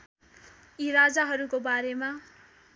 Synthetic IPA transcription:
iɾad͡zaɦʌɾukobaɾema

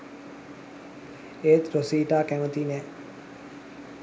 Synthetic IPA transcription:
eːt̪ɾosiːʈaːkæmət̪iːnɛː

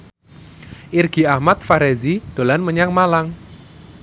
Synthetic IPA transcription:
ʔirɡ̥i̤ahmat̪̚faɾezid̪̥o̤lanməɲaŋmalaŋ

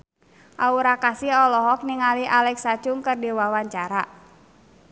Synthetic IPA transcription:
ʔauɾakasiɔlɔɦɔk̚niŋaliʔalɛksḁd͡ʒ̥ʊŋkərdiwawaɲt͡ʃaɾa

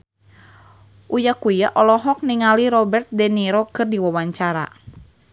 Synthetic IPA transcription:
ʔujakujaʔɔlɔɦɔk̚niŋaliɾɔbɛrt̪̚dɛniɾɔkɨrdiwawaɲt͡ʃaɾa̰

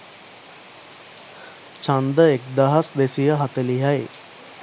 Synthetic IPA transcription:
t͡ʃand̪əekd̪aɦasd̪esijəɦat̪əliɦaj

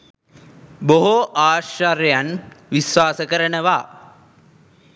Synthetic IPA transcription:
boɦoʔaːʃaɾejanʋisʋaːsəkəɾənəʋaː

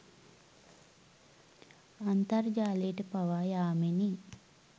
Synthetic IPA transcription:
ɐnt̪ɐɾd͡ʒaːleːʈepɐʋaːjaːmeni

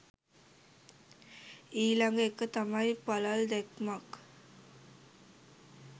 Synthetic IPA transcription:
iːlaŋɡəekət̪amajpalald̪ɛkmak

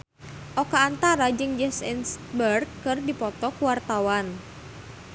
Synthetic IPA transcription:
ʔɔkaːnt̪aɾad͡ʒɨŋd͡ʒɛsɛnsbərɡɨrdipɔt̪ɔkuwart̪awan

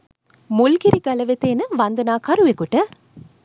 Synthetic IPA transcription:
mʊlɡiɾiɡɐlɐʋet̪ːeːnɨʋɐnd̪ɐnaːkɐɾuʋekuʈːɐ

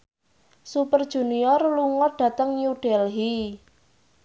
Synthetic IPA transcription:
supərd̥ʒ̥ṳniɔrluŋɔɖ̥ä̤t̪əŋjuɖ̥ɛlɦi

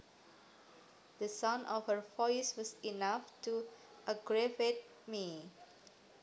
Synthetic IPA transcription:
d̪̥əsãnʔɔfhəɹfɔɪswɔsinaftu | ʔəɡɹɛvet̚ | mi

